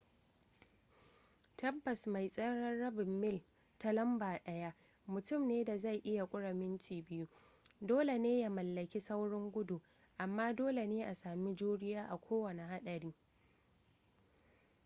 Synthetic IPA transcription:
tɐ˦bːɐ˨sma˨jsʼɐ˦ɽɐː˦ɐ˦bɪ˨mːɪ˦˨l | ta˦lɐ˦mbaː˨ɗɐ˦ja˦ | mʊ˨tʊ˦˨mneː˦da˨za˦˨jʔɪ˦ja˨kʷʼʊ˦ɽɐ˨mɪ˦nt͡ʃiː˨bɪ˦ju˦ | doː˦le˨neː˦ja˨mɐ˨lːɐ˨kʲi˦sa˦wɽɔ˦ŋɡʷʊ˦du˨ | ʔa˨mːaː˦doː˦le˨neː˦ʔa˨saː˨mi˦d͡ʒuː˦ɽɪ˦jaː˦ʔa˨kʷʰoː˦wɐ˨ne˨ɦa˦ɗɐ˨ɽiː˦

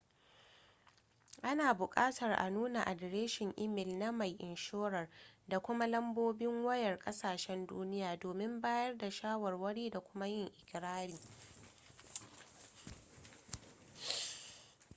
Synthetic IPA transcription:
ʔa˦naː˨bʊ˨kʼaː˦tɐ˨rʔa̰˨nuː˦na˨ʔa˨dɾeː˦ʃɪ˨ŋʔɪ˦mɪ˨lna˦ma˨jʔɪ˨nʃoː˦ɾɐ˨rda˨kʷʊ˦ma˦lɐ˦mboː˦bɪ˦ŋwɐ˦jɐ˨rkʼɐ˦saː˨ʃɛ˦nduː˦nɪ˦jaː˨doː˨mɪ˦mbaː˦jɐ˦rda˨ʃaː˦wɐ˨rwɐ˦ɽiː˦da˨kʷʊ˦ma˦jɪ˦ŋʔɪ˨kʲɾaː˦ɽiː˨

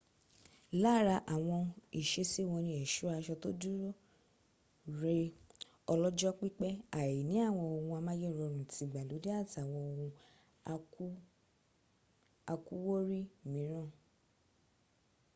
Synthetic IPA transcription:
la˦ɾa˧ʔa˨w̃ɔ̃˧i˨ʃe˧si˦˨w̃ɔ̃˧nĩ˧ɛ˨ʃu˨˦a˧ʃɔ˧to˦du˦ɾo˦ | ɾe˧ | ɔ˧lɔ˦d͡ʒɔ˦k͡pi˦k͡pɛ˦a˨ji˨nĩ˨˦a˦˨w̃ɔ̃˧o˧hũ˧a˧mã˦je˦˨ɾɔ˧ɾ̃ũ˨ti˧˨ɡ͡ba˨lo˨˦de˦a˦˨ti˨a˨w̃ɔ̃˧o˧hũ˧˦ | a˧ku˦wo˦ɾi˦mĩ˨˦ɾ̃ã˦˨

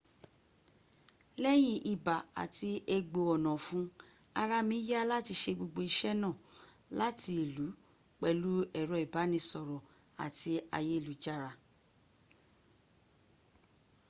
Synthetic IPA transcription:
lɛ˦j̃ĩ˧ʔi˨ba˨a̰˨ti˧e˧ɡ͡bo˧ɔ˨nɔ̃˨fũ˦ | a˧ɾa˧mĩ˨˦ja˦la˦ti˧ʃe˧ɡ͡bo˧ɡ͡bo˧i˧ʃɛ˦nã˦˨ | la˦ti˧i˨lu˨˦ | k͡pɛ˦˧lu˦ɛ˨ɾɔ˨i˨ba˨˦nĩ˧sɔ˨ɾɔ˨ | a̰˨ti˧a̰˧je˦˨lu˨˦d͡ʒa˦ɾa˧

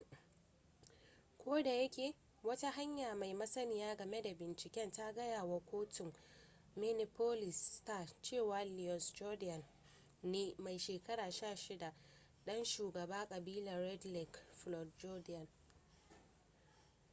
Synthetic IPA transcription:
kʷoː˦da˨jɐ˦kʲeː˨ | wɐ˦ta˦ɦa˦ɲjaː˨ma˨jmɐ˦sɐ˦nɪ˨jaː˦ɡɐ˨me˦da˨bɪ˨nt͡ʃɪ˨kʲɛ˦nta˦ɡɐ˦jaː˨wa˦kʷoː˦tɪ˨ŋ | me˦nɪ˨po˦lɪ˨staː˦˨t͡ʃeː˦˨waː˨li˨ɔ˨nsd͡ʒɔ˦dɪ˦ɐ˨nː | eː˦ma˨jʃeː˨kɐ˦ɽaː˨ʃaː˦˨ʃɪ˦da˨ | ɗɐ˦nʃuː˨ɡɐ˨baː˦kʼɐ˨biː˦lɐ˨ɾɛ˦dlɪ˨kɸlɔ˨d̚d͡ʒɔ˦dɪ˦ɐ˨n

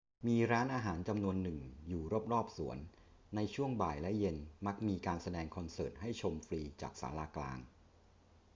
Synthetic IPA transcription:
miː˧ɾaː˦˥nʔaː˧ɦaː˩˦nt͡ɕa˧mnu˧ənːɯ˨˩ŋjuː˨˩ɾo˦˥p̚ɾɔː˥˩p̚su˩˦ənː | a˧jt͡ɕʰu˥˩əŋbaː˨˩jlɛ˦˥je˧nma˦˥k̚miː˧kaː˧nsa˧dɛː˧ŋkʰɔ˧nsɤː˨˩t̪̚ɦa˥˩jt͡ɕʰo˧mfɾiː˧t͡ɕa̰ː˨˩k̚sa̰ː˩˦laː˧kla̰ː˧ŋ

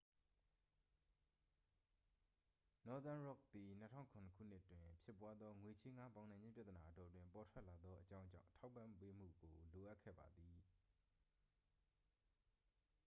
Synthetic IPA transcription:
nɔ˨˦t̪ã˦ɹɔ˦˨k̚d̪i˨n̥ə˦tʰã̰˦˨ŋkʰʊ̃˨nə˨kʰṵ˦˨n̥ɪ˦ʔtwɪ̃˨pʰjɪ˦˨pwa˦d̪ðɔ˦ŋwe˨t͡ɕʰe˦ŋa˦pã˨ʊnã˨ɲd͡ʑɪ̃˦pja˦t̪əna˨ʔətɔ˨twɪ̃˨mpɔ˨tʰwɛ˦ʔla˨d̪ðɔ˦ʔət͡ɕã˦ʊ̃ɲd͡ʑã̰˦˨ʊ̃˨tʰa˦ʊpːã˦˨mpe˦m̥ṵ˦˨ɡo˨lo˨ʔa˦ʔkʰːɛ̰˦˨ba˨d̪ði˨

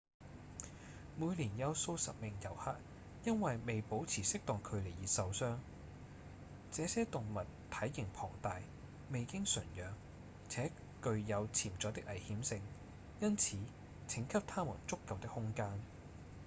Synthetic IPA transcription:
muː˨˧jliː˨˩njɐ˨˧wso˧wsɐ̰˨p̚mɪ˨ŋjɐ˨˩whaː˥t̚ | jɐ˥nwɐ˨jme˨jpo˨˥wt͡sʰiː˨˩sɪ˥k̚t̪ɔː˨ŋkʰɵ˨˧ɥle˨˩jiː˨tsɐ˨wsœː˥ŋ | t͡sɛː˨˧sɛː˥t̪ʊ˨ŋmɐ˨tt̪ʰɐ˨˥jːɪ˨˩ŋpʰɔ̰ː˨˩ŋt̪aː˨j | me˨˧jkɪ˥ŋsɵ˨˩njœː˨˧ŋ | t͡sʰɛː˨˥ | kɵ˨˧ɥjɐ˨˧wt͡sʰiː˨˩mt͡sɔː˨˥t̪ɪ˥kʔɐ˨˩jhiː˨˥msɪ˧ŋ | jɐ˥nt͡sʰiː˨˦ | t͡sʰɪ˨˥ŋkʰɐ˥p̚t̪ʰaː˥mṵ˨˩nt͡sʊ˥kːɐ˨˧wt̪ɪ˥k̚hʊ˥ŋkaː˥n

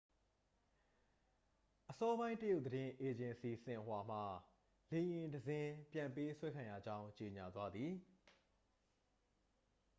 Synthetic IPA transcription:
ʔəsɔ˦bã˦ɪ̃ntə˦jo˦ʊʔd̪əɾɪ̃˦ʔe˨d͡ʑɪ̃˨nsi˨sɪ̃˨ʔwa˨m̥a˨ | le˨jɪ̃˨ndəzɪ̃˦pjã˨mpe˦swɛ˦kʰã˨ja̰˦˨d͡ʑã˦ʊ̃ɲt͡ɕe˨ɲa˨t̪wa˦d̪ði˨

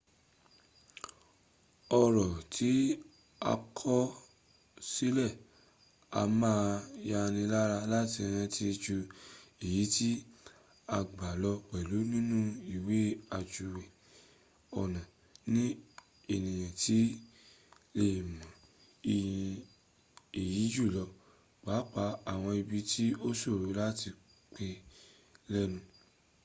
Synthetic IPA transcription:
ɔ˧ɾɔ˨tʰi˨˦ | a̰˧kʰɔ˦ | si˦lɛ˦˨ | a̰˧mã˦ja˧nĩ˧la˦ɾa˧la˦ti˧ɾ̃ã˧ti˧d͡ʒu˧i˨ji˨˦ti˦ | a˧ɡ͡ba˨lɔ˧k͡pɛ˨lu˨˦nĩ˦nũ˦i˦˨we˨˦a˨d͡ʒu˨wɛ˨ | ɔ˨nã˨ | nĩ˦ | e˨nĩ˨j̃ã˨ti˨˦ | le˦˨mã˨ | i˨ĩ˧ | e˨ji˨˦d͡ʒu˦˨lɔ˧ | k͡pa˨˦k͡pa˧˦a˦˨w̃ɔ̃˧i˧bi˧tʰi˦o˦so˦˨ɾu˨˦la˦ti˧ | k͡pe˧ | lɛ˦nũ˧

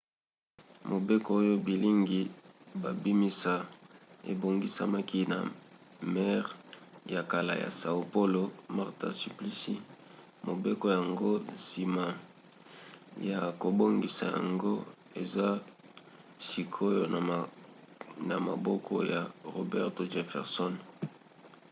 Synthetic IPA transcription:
mo˨be˦ko˦o˦jo˦bi˨li˦ŋɡi˨ba˨bi˦mi˦sa˦ḛ˨bo˨ŋɡi˦sa̰˦ma˦ki˦na˨ | mɛ˦ʁja˨ka˨la̰˨ja̰˨sa˨o˨po˦lo˨ma˦ʁta̰˨si˨pli˦si˦ | mo˨be˦ko˦ja˨ŋɡo˦si˨ma˨ | ja˨ko˨bo˦ŋɡi˨sa˨ja̰˨ŋɡo˦ | e˨za˦ | si˨kʰo˦jo˨ | na˨ma̰˨bɔ˦kʰɔ˦ja˨ʁo˨bɛ˦ʁto˨ʒe˨fɛ̰˨ʁsɔ˦n

